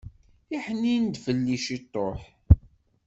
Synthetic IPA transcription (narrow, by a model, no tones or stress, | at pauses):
iħənːind̪fəlːiʃit̪ˤːoħ